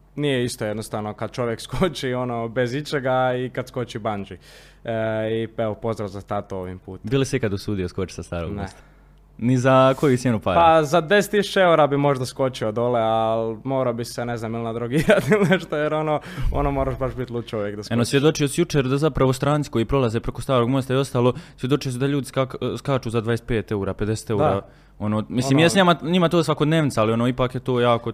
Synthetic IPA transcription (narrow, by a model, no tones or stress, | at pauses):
nijeist̪oje̞d̪nost̪aʋno̞kad̪̚t͡ʃo̞ʋjekskot͡ʃio̞nobezit͡ʃeɡaikad̪sko̞t͡ʃiband͡ʒi | ieʋopo̞zɾazast̪at̪ooʋimpuːt̪b̪ilˠisikad̪usuːd̪ioskot͡ʃi̥sast̪aːɾo̰ɡnes | nizako̞jut̪sʲjenupaɾpazad̪e̞se̥t̪ːisut͡ʃeeuɾabimo̞ʒd̪asko̞t͡ʃiod̪olealmoːɾabiseneznaːmilnad̪ɾuɡiɾat̪ilneʃt̪ojeɾonoːonoːmoɾaʃbaʃbit̪lˠut͡ʃouʋjekd̪askonosjed̪o̞t͡ʃijosjut͡ʃeːɾd̪azapɾaʋost̪ɾaːnt̪i̥ko̞jipɾo̞lazeːpɾekost̪aːɾoɡmost̪aio̞st̪aːlˠo̞sʋje̞d̪o̞t͡ʃijosid̪aʎuːd̪iskakskaːt͡ʃuːzad̪ʋaje̞st̪peːt̪e̞uːɾaːpe̞d̪ese̥t̪e̞uɾaː | o̞noːmisliːmjesɲamaɲimat̪oːsʋako̞d̪neːʋnit̪aalio̞noipaːkjet̪oːjaːko